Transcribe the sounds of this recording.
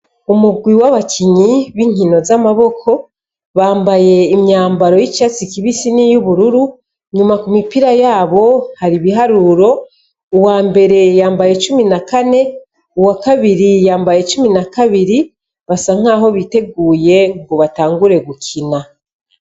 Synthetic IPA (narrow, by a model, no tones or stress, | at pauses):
umuɡwiwaβakʰiɲiβiŋ̥ino̞zamaβo̞kʰo̞ | βaːmbaje̞imɲaːmbaɾo̞jit͡ʃat͡sikiβisinijuβuɾuɾu | ɲumakumipiɾajaːβo̞haɾiβiɦaɾuɾo̞ | uwaːmbe̞ɾe̞jaːmbaje̞t͡ʃuminakane̞ | uwakaβiɾijaːmbaje̞t͡ʃuminakaβiɾi | βasaŋ̥aːɦo̞βite̞ɡuːje̞ŋɡoβataːŋɡuɾe̞ɡukʰina